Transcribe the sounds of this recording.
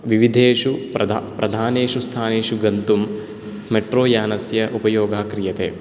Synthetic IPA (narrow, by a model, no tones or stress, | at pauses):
ʋiʋid̪ʱeːʂupɐapɾɐd̪ʱaːneːʂust̪ʰaːneːʂuɡɐnt̪umː | eʈroːjaːnɐsjɐʔupɐjoːɡʱaːkɾijɐt̪ḛː